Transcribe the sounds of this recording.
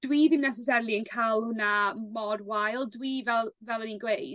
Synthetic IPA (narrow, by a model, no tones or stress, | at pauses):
d̥wiːðɪmnɛs̬ɛs̬aɾlˠiənkʰalˠhʊnamɔdwajlˠdwivɛlˠvɛlˠɔninɡwej